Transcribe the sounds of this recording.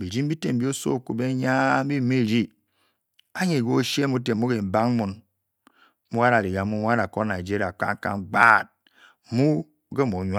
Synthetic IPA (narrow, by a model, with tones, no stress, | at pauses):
bi˨d͡ʒi˦m̩˦bi˦te˨m̩˦bi˦o˦so̰˦˨ku˨be˦ɲa˦m̩˦bi˦˨me˦˨ɾi˦ | a˦ɲe˨ɡo˦ʃe˦mu˦t̬e˨˦mu˦ɡe˨m̩˨ba˦ŋ˦mu˨n | mu˦a˦ɾa˨li˨ɡa˨˦mu˦m˦a˦na˨ko˦na˨d͡ʒi˦ɾi˨a˨k͡pa̰˦ŋ˦ka̰˦˨ɡ͡ba˦˨t̚ | mu˦ | ɡe˦mo˨˦ɲ˦